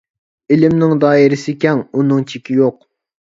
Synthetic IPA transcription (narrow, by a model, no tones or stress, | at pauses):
ɪlɪmnɪŋd̪ɑːɪɾɪsɪkʲɛŋunɨŋt͡ʃʰekʲijoq̚